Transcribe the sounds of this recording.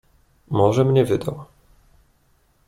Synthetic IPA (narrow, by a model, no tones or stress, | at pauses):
mɔʐɛmɲɛvɘd̪aw